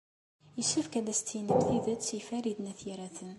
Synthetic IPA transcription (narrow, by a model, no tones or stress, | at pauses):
jəʃəfkæd̪æst̪ːijnəbθiðəd̪sifæɾid̪næθiɾæθən